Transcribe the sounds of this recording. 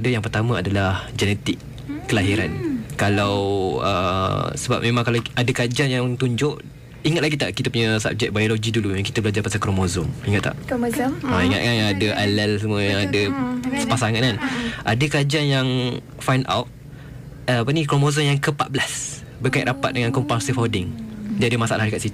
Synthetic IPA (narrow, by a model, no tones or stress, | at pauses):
adəjaŋpərt̪amə̃adalahd͡ʒɛnɛt̪ɪkː | əlaɦiɾankalawə̰səba̰p̚mẽmãŋkalaadəkad͡ʒaŋjaŋt̪uɲd͡ʒʊʔ | iŋat̪̚laɡit̪aʔkit̪əpuɲəsa̰b̚d͡ʒɛk̚bajoloɡidulujaŋki̥t̪əbəlad͡ʒarpasakɾomozɔmiŋat̪̚ːa̰ʔ | aiŋa̰t̪̚kanadəʔalɛls̬əmuəjaŋadəsə̥pasaŋat̪̚kanʔadəkad͡ʒaŋjaŋ | fajnda̰wt̪̚ | əapənikɾomozɔmjaŋkəpat̪̚bəlas | bərkajiʔɾʔapat̪̚dəŋankɔmpasifawdɪŋd͡ʒadəmasaʔa̰lahdəkat̪sit̪u